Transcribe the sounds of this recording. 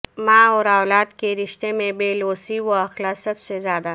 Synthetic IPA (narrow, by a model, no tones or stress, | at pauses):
mãːɔːɾaːlaːd̪keɾɪʃt̪emẽbeːloːsiwoɐxlasɐbsezjaːd̪a